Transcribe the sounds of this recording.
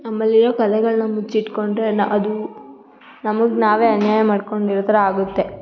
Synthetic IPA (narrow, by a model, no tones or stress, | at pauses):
nɐmːɐlːiɾoːkɐlɛɡɐɭunɐmut͡ʃiʈko̞ɳɖɾenʔɐd̪u | nɐmɐɡnaːʋe̞ːɐnjaːjɐmaːɖkoɳɖiɾɔt̪ʰɐɾɐaːɡut̪ːe̞